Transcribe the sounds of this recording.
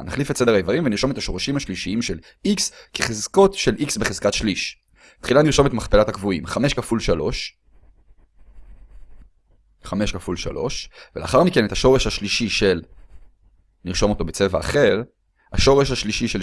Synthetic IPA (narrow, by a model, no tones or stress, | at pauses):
naχlifetsedeaevaʁimveniʁʃo̞me̞thaʃo̞ʁaʃimhaʃliʃiimʃe̞l | ʔikskeχezko̞tʃe̞lʔiksbeχez̥katʃliʃ | t̪χilaniʁʃo̞me̞tmaχpelatakvuimχame̞ʃkafulʃalo̞ʃ | χame̞ʃkafulʃa̰lo̞̰ʃvelea̰χaʁmike̞netaʃo̞ʁeʃhaʃliʃiʃe̞l | niʁʃo̞mo̞t̪o̞bet͡se̞vaːχe̞ʁ | ha̰ʃo̞ʁe̞ʃ̬haʃliʃiʃe